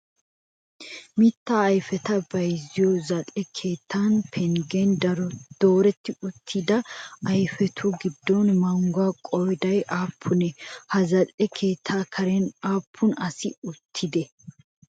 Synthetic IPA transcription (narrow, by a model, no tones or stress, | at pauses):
mɪt̪ːaːjfɛt̪ɐbɐjzɪjɔzɐtʼɛkʰe̞ːt̪ʰːanpʰɛŋɡɛnd̪ɐɾɔd̪̥o̞ːɾɛt̪ːɪʊt̪ʰːɪd̪ɐɐjfɛt̪ʰʊɡɪd̪ːɔnmɐŋɡʊakʼɔjd̪ɐjʔaːpʰːʊnɛhɐzɐtʼɛkʰe̞ːt̪ʰːaːkʰɐɾɛnaːpʰːʊnɐsɪʊt̪ʰːɪd̪ɛ